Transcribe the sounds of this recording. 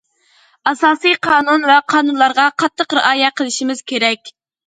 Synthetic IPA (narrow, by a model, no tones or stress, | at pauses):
ɑsɑːsɨjqʰɑːnunvɛqʰɑːnunlˠɑɾʁɑqʰɑt̪ʰːəqɾɪʔɑːjɛqʰəlˠɪʃimɪz̥kʲʰeɾɛkʲ